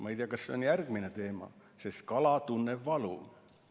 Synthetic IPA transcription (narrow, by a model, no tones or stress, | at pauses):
mɑejt̪ijɑkɑsseonjærɡ̥minet̪eːmɑ̰ | seskɑlɑt̪unːeʋːɑlṵˑ